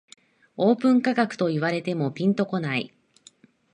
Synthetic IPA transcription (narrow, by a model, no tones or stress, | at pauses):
o̞ːpɯ̟̃ŋkaɡakɯ̥t̪o̞iβaɾe̞t̪e̞mo̞pʲĩnt̪o̞ko̞naḭ